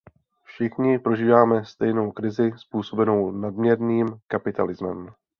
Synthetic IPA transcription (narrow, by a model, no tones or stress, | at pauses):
fʃɪxɲɪpɾo̞ʒiːvaːmɛst̪ɛjno̞wkɾɪzɪspuːso̞bɛno̞wnadmɲɛɾniːmkapɪt̪a̰lɪzmɛ̰m